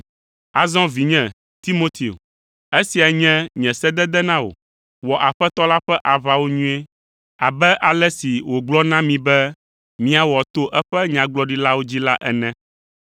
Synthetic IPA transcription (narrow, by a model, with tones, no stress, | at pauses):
a˨zɔ̃˦vi˨ɲɛ̃˨ | t̪i˦mo˦t̪e˨o̰˨ | e˦si˨a˨ɲɛ̃˦ɲɛ̃˨sɛ˦d̪ɛ˦d̪ɛ˦nã˦wo̰˨ | wɔ˨ʔa˨ɸɛ˦t̪ɔ˦la˦ɸɛ˦ʔa˨βa˨wo˦ɲũ˦e˦ | a˨bɛ˦ʔa˨lɛ˦si˨wo˨ɡ͡blɔ˦nã˦mĩ˨bɛ˦ | mĩ˦a˨wɔ˨t̪o˦ʔɛ˦ɸɛ˦ɲã˨ɡ͡blɔ˦ɖi˦la˦wo˦d͡ʑi˦la˦ʔɛ̰˨nɛ̃˦